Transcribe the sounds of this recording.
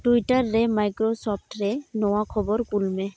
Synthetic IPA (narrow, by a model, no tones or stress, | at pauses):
ʈuiʈaɹːɛmajkɾɔsɔp̚ʰʈɾɛnɔwakʰɔbɔɾkulmɛ